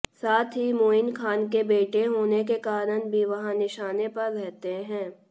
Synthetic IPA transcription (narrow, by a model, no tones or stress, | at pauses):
saːt̪ʰɦimoːɪnkʰaːnkebeːʈeɦoːnekekaːɾənbʱiʋɐɦãnɪʃaːnepɐɾɾɛɦt̪eɦɛ̃ː